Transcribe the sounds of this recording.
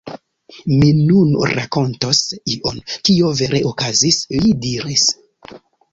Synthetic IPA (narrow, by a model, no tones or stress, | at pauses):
minunɾa̰ko̞ntosiʔonkio̞ve̞ɾʔe̞ʔokazislidiɾis